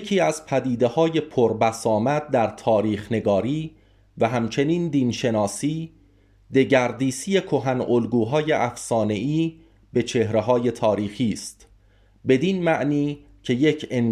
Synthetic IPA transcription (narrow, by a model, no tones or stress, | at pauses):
kʰiːæzpʰæd̪iːd̪e̞hɒːje̞pʰoɾbæsɒːmæd̪̚d̪æɾt̪ʰɒːɾiːxne̞ɡɒːɾiː | væɦæmt͡ʃʰe̞niːnd̪iːnʃe̞nɒːsiː | d̪e̞ɟæɾd̪iːsije̞kʰoɦænʔolɡuːɦɒːje̞ʔæfsɒːne̞ʔiː | be̞t͡ʃʰe̞hɾeɦɒːje̞t̪ʰɒːɾiːxiːst̪ | be̞d̪inmæʔniː | cʰe̞jecʰen